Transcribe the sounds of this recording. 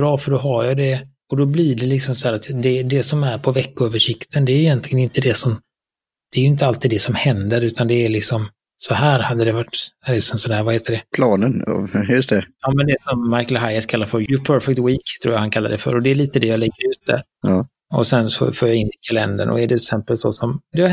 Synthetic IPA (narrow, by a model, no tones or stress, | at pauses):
bɾɑːfœɖɔɦaɾjad̪ɛ | ɔd̪ɔbliːɖɛlɪksɔmsɔhæːɾat̪d̪ɛd̪ɛsɔmæɾpʰɔvɛkːʊøːvəʂɪkt̪ʰənd̪ɛːɾjʏjɛnt̪ʰlɪɡənɪnt̪ːəd̪ɛsɔm | d̪̥ɛæːjʏɪnt̪̬əalt̪iːd̪ɛsɔmhɛnd̪əɾʉ̟ːt̪and̪ɛːɾlɪksɔm | sɔɦæːɾhad̪ːəd̪ɛvaʈːlɪsɔmsɔnæːɾvaheːt̪əɖɛpʰlɑːnən̰jɵst̪ɛɑːmɛnd̪ɛsɔmːaɪkəlɦajaskʰalːaɾfœɾjɵpʰœɾfɛk̚t̪wiːkt̪ʰɾṵːjahankʰalːa̰d̪ɛfœ̰ɾɔd̪ɛːɭiːt̪əd̪ɛjaːlɛɡːəɾʉ̟ːt̪̚d̪ɛ̰ | ɔ̰sɛnsɔ̰foːɾjaɪnːɪkʰalɛ̰nd̪ə̰nʔɔ̰ɛɖɛɪksɛmpəlsɔsɔmd̪ɛa